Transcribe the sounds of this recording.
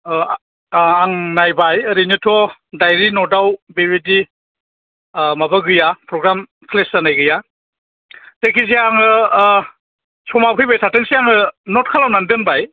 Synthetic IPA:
aŋnajbajɾinitʰɔdajɾinɔdawbebidi | mabaɡɯjapʰɾɔɡɾam | kʰlesanajɡɯja | tekʰiziaŋɯ | sʰɔmapʰɯjbajsʰatɯŋsijaŋɯnɔt̚kʰalawnandɯnbaj

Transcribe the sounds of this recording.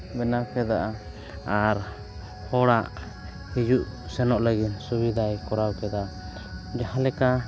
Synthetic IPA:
bɛnawkɛd̪a̰ʔa | aɾ | hɔɽaʔ | hid͡ʒuʔsɛnɔʔləɡit̪subid̪ʱajkɔɾawkɛd̪a | d͡ʒahãlɛka

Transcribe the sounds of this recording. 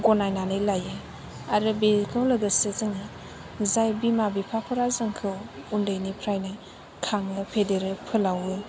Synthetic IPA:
ɡonajnanɯjlajɯ | aɾɯbekʰawlɐɡəsezɯŋɯ | zajbimabipʰapʰɔɾazɯŋkʰɯwundɯjnipʰɾajnɯj | kʰaŋɯpʰedeɾɯpʰɯlawɯ

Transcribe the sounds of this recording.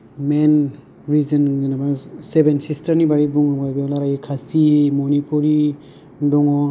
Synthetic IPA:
men | ɾizɐnɡnamasebensistɐɾnibaɾibuŋɔbajbilaɾajikʰasimɔnipʰuɾi | dɔŋɔ

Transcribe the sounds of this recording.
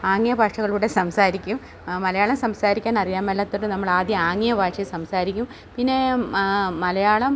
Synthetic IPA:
aːŋːijɐbaːʂɐɣɐɭuːɽe̞sɐmsaːɾikʲːum | mɐlɐjaːɭɐmsɐmsaːɾikʲːaːnɐrijaːmelːɐt̪ːoɽɨnɐmːɐɭaːd̪jɐaːŋːijɐbaːʂɐsɐmsaːɾikʲːum | pinːe̞ | mɐlɐjaːɭɐm

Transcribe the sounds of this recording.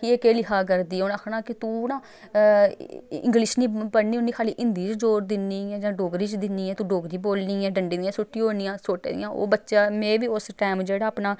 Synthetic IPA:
kɪeːkeːlɪɦaːk̬əɾd̪iːoːnəkʰnaːkɪt̪ũːnaː | ɪ̰̃ŋɡlɪʃniːbəɽniːɦoːniːkʰaːliːʔɪnd̪iːt͡ʃd͡ʒoːɾd̪ɪnːiːɛ̃ːd͡ʒãːɖoːɡɾiːt͡ʃd̪ɪnːiːɛːt̪ũːɖoːɡɾiːboːlniːɛːɖəɳɖiːd̪ɪjãːsʊʈːiɦoːniːãːsoːʈḛːd̪ɪ̰jãːʔo̰ːbətːʃaːmɛ̃ːʋiːʊsʈaːmd͡ʒeːɽaːəpnaː

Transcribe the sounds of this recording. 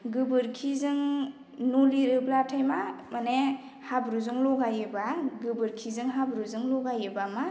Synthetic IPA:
ɡɯbɯɾkʰizɯŋ | noliɾɯblatʰajmamane | habɾuzɯŋlɔɡajɯbaɡɯbɯɾkʰizɯŋɦabɾuzɯŋlɔɡajɯbama

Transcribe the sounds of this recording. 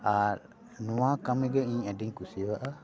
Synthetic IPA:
a | nuakamɛɡəĩɲadiŋkusiwaʔa

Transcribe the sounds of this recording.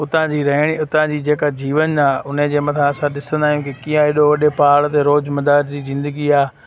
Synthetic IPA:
ʊt̪ãd͡ʑiːɾɐɦɪɽ̃iʊt̪ãd͡ʑiːd͡ʑeːkad͡ʑiːʋənaːʊned͡ʑeːmɐt̪ʰãɐsãɗɪsə̃nd̪aːɦijũkikiːãɦɪɗoʋɐɗepaːɽt̪eɾoːd͡ʑmɐd̪aːɾd͡ʑiːzɪ̃nd̪əɡiaː

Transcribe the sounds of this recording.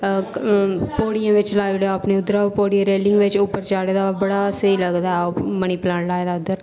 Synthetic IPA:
poːɽijãːʋɪt͡ʃlaːjɽeaːpneʊd̪ɾapoːɽijẽɾeːlɪ̃ŋɡʋɪt͡ʃʊpːəɾt͡ʃaːɽed̪abəɽasəiləɡd̪aːɦoməñiːplãːɳlaːed̪aʊd̪əɾ

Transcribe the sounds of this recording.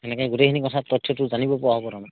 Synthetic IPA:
enekajɡutejkʰinikɔtʰat̪ɔtʰːjɔtuzanibɔpɔaɦɔpɔɾana

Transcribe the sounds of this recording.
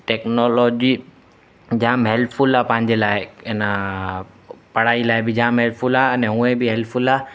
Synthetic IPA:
ʈeknolod͡ʒi | d͡ʑãːmɦelfʰulapãɦɪ̃ɲd͡ʑelaːeɛna | pɐɽ̤aːilaːebɪd͡ʑãːmɦelfʰulaənɛɦũẽbiɦɛlfʰula

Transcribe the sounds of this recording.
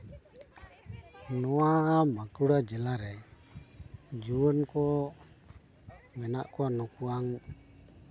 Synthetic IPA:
nuamakuɽad͡ʒəlaɾɛ | d͡ʒuənko | menaʔkuanukuaŋ

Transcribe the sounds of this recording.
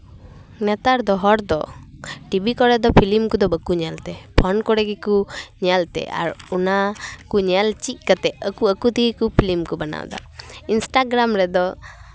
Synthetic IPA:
nɛt̪aɾd̪ɔɦɔɾd̪ɔ̰ʈibikɔɽɛd̪ɔpʰilimkud̪ɔbəkuɲalt̪ɛpʰɔnkɔɽɛɡikuɲɛalt̪ɛ̰a̰ɾunakuɲɛalt͡ʃic̚ˀkət̪ɛəkuəkut̪iɡikupʰilimkubana̰wd̪a̰insʈaɡɾamɾɛd̪ɔ

